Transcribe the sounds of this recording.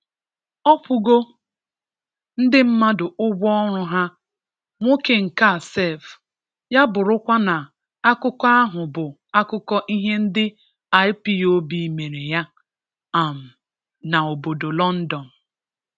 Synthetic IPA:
ɔ˦pʊ˦ɡo˦ | n̩˦dɪ˦m̩˦ma˦dʊ˨ʊ˦ɡʷɔ˦ɾʊ˦ɦa˦ | ŋʷo˦ke˨ŋ̩˨ka˦˨se˦˨f | ja˦bʊ˨ɾʊ˦kʷa˦na˨ | a˦kʊ˦kɔ˦a˦ɦʊ˨bʊ˨ | a˦kʊ˦kɔ˦ʔi˦ɦe˦n̩˦dɪ˦ | a˨ɪ˦pi˦o˦bi˨me˨ɾe˨ja˦ | a˨m̩˨ | na˨o˨bo˨do˨lɔ˦n̩˦dɔ˨n̩˨

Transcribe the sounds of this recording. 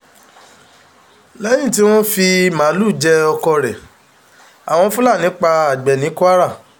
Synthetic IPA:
lɛ˦jĩ˦˨ti˦w̃ɔ̃˦fi˧mã˨˦lu˦˨d͡ʒɛ˧ɔ˧kɔ˧ɾɛ˨ | a̰˨w̃ɔ̃˧˦fũ˦la˦˨nĩ˨˦k͡pa˧a˨ɡ͡bɛ˨nĩ˨˦ku˦a˦ɾa˦˨

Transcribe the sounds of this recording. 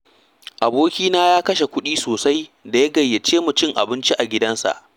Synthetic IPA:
ʔa˨boː˦kʲiː˦naː˦jaː˦kɐ˦ʃe˨kʷʊ˦ɗiː˦soː˨sa˦jda˨ja˦ɡɐ˨jːe˨t͡ʃeː˦mʊ˨t͡ʃɪ˦ŋʔa̰˨bɪ˦nt͡ʃi˦ʔa˨ɡʲɪ˦dɐ˦nsa̰˨ʔ

